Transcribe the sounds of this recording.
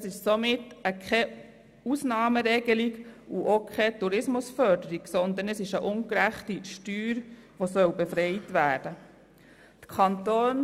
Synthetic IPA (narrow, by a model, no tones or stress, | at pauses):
əsɪʃsomɪtːəkʰɛ | usnɑːməɾɛɡ̥əliɡuʔokʰχɛtuɾɪsmʊsfœɾdəɾiɡsɔnd̪ənəsɪʃəʔʊŋkɾæχtiʃtyːɾʋosœwbefɾɛɪtʋæːɾd̥ə | t̪kʰɑnt̪oːn